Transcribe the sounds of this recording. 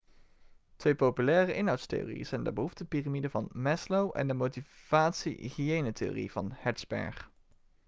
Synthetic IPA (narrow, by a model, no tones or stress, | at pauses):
tʋejpowpylɛːrəʔɪnɦɑwtstḛjo̰ːrḭjə̰z̥ɛjndə̰bəɦuftəpiramidəvɑnmɛslowʔɛ̰ndəmowtiv̥aːtsḭχiejnəteo̰ːrḭv̥ɑnhɛdz̥bɛ̰ɹχ